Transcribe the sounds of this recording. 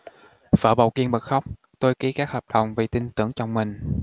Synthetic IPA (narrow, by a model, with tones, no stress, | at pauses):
fə̰ː˧˩ɓa˨˩wki˧ənɓə˨˩xa˦˥wk͡p̚ | t̪o˧jki˨˦kaː˦˥k̚həː˨˩p̚ɗə˨˩wŋ͡mvi˨˩t̪i˧nt̪ɨ˧˩əŋt͡ɕɔ˧wŋ͡mmï˨˩ŋ̟